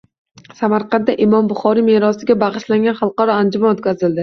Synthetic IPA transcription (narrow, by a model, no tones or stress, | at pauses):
samaɾqɑnt̪ːaʔɪmɒmbʊχɒɾimeɾɒsɪɡʲabɑʁɨʃlaŋɡʲanχɑlˠqɑɾɒand͡ʒʊmanot̪̚kʲazɪld̪ɪ